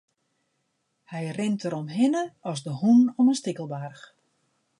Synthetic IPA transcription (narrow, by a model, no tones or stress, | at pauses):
hɛjrɪntəɾɔmɦɪnəɔsdəhunɔmənstikəlˠbarx